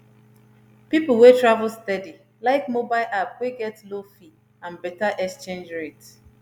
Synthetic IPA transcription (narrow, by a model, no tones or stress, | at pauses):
pipʊl̩ˠwetɹavʊlstɛdi | laɪkmobaɪlʔapweɡɛtlofi | ãnbɛtaʔɛkst͡ʃẽnd͡ʒɹet